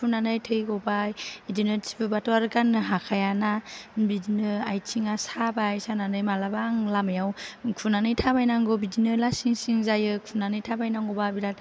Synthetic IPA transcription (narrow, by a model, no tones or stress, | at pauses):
kʰunanɯjtʰɯjɡɔbajdinɯsʰi̥bɯbatɔaɾɡanːɯɦakʰajanabidinɯajtʰiŋasabajsananɯjmalabaŋlamajawkʰunanɯjtʰabajnaŋɡɔbidinɯlasiŋsiŋzajɯkʰunanɯjtʰabajnaŋɡɔbabiɾat̚